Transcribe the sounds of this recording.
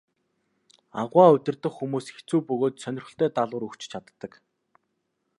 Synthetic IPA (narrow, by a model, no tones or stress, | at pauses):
aʁwaːɵt̪ʲɪ̆rt̪ə̆xxːumuːsxet͡suːpɵɣoːt̪sœnʲɪ̆rχɘ̆ɬt̪œːt̪aɮʊːɾɵkt͡ɕt͡ɕʰat̪ːə̆k